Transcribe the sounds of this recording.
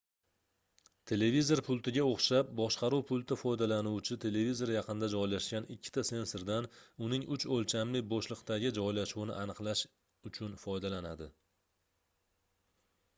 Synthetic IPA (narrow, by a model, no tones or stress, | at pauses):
t̪ʰe̞le̞vizo̞ɾpʰʊlˠt̪ʰɪɡʲaoχʃap̚bɒʃqɑɾuwpʰʊlˠt̪ʰɪfɒjd̪alanuwt͡ʃʰɪt̪ʰe̞le̞vizo̞ɾjɑqɨnd̪ad͡ʒɒjlaʃkʲanɪkʲʰːɪ̥t̪ʰase̞nsoɾd̪anʊnɪŋʊt͡ʃolˠt͡ʃʰamlɪboʃlˠɨqt̪aɡʲɪd͡ʒɒjlaʃuwnɪ̰ʔanɨqlˠaʃ | ʊt͡ʃʰʊnfɒjd̪alanad̪ɪ